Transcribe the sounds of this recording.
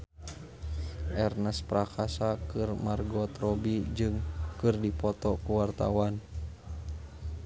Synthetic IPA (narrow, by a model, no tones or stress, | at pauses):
ʔɛrnɛspɾakasakɨrmarɡɔt̪ɾɔbid͡ʒɨŋkɨrdipɔt̪ɔkuwart̪a̰wan